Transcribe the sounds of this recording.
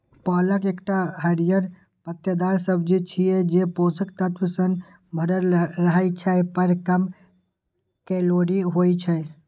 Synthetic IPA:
pɔləkekʈaɦəɾijəɾ | pət̪jəd̪aɾsəbd͡ʒit͡ʃʰijɛd͡ʒeposəkt̪ət̪əsən | bʱəɾəlɾəɦəjt͡ʃʰɛpəɾkəm | kɛloɾiɦojt͡ʃʰɛ

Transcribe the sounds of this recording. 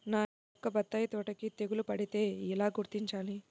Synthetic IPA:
naː | ɔkːɐbɐt̪ːɐːjɐt̪oːʈɐkit̪e̞ɡulupɐɽit̪e̞ːilaːɡuɾt̪iɲt͡ʃaːli

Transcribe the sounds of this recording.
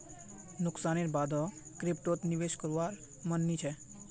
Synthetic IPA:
nʊksaːneɾbaːd̪ɔkɾep̚ʈot̪niʋeːʃkəɾʋaːɾ | mənːit͡ʃʰɛ

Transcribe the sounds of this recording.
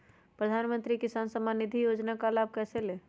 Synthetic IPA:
pɾəd̪ʱanmənt̪ɾikisansəmanid̪ʱijod͡ʒnakalab̚ʱkɛsele

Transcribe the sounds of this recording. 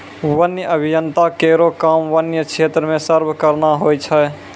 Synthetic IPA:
wənjəʔəbʱijənt̪akeːɾokamʋənjəkʰeːt̪ɾəmẽsəɾbʱkəɾnaɦoːjt͡ʃʰɛ

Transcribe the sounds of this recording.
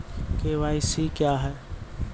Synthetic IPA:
keʋaːɪsikjaːɦɛː

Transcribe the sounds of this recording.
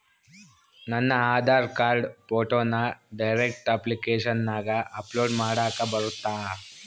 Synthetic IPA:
nɐnːɐaːd̪ʱaːɾkaːɾɖpoːʈoːnːɐɖɐjɾek̚ʈɐplikeːʂɐnːaːɡɐʔɐploːɖmaːɽaːkɐbɐɾut̪ːaː

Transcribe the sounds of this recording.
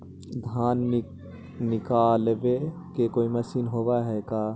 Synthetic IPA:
d̪ʱaːn | nɪkaːlbe | kekoːiməsinɦoːbaɦɛkaː

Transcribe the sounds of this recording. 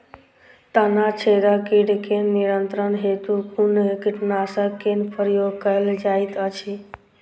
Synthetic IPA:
t̪ənat͡ʃʰeɾakiɖkenːiɾənt̪ɾənɦet̪ukunkiʈnasəkenpʰəɾjoɡkəld͡ʒajt̪ət͡ʃʰi

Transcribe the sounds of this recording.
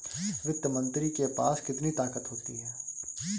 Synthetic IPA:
ʋɪd̪jəmə̃nt̪ɾikepaːskɪt̪nit̪aːkət̪ɦoːt̪iɦɛː

